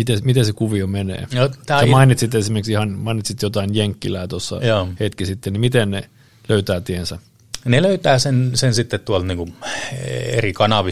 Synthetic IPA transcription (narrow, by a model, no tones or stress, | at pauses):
mit̪emit̪esekuʋiomenḛːnot̪æːmɑinit̪sit̪ːesimerksihɑnmɑinit̪sit̪jot̪ɑinjeŋkːilæːt̪osːɑ̰joːhet̪kisit̪ːennimit̪enne | løyt̪æːt̪iensæ | neløyt̪æːsensensit̪ːet̪t̪uɑlt̪niŋku | ḛrikɑnɑʋi